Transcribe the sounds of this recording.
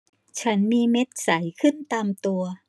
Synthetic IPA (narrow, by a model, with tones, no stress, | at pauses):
t͡ɕʰa˦˥nmiː˧me˦˥t̪̚sa˩˦jkʰɯ˥˩nt̪aː˧mt̪u˧ɐ